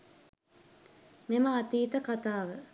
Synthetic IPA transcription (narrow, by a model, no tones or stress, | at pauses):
meməat̪iːt̪əkat̪aːʋə